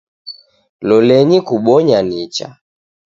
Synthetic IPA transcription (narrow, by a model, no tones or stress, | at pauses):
lɔlɛɲikuɓɔɲanit͡ʃa̰